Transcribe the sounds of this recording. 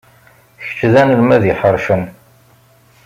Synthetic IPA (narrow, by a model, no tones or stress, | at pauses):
çə̥t͡ʃːðænəlmæðiħəɾˤʃən